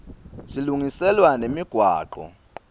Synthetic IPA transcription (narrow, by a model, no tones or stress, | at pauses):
siluŋisɛlwanemiɡ̥ʱwa̰ːǃɔ̰